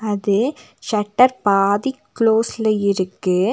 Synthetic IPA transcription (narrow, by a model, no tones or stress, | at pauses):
ɐðɯʃɐʈːɐɾpaːðikːloːsɪlɐɪɾɯkːɯ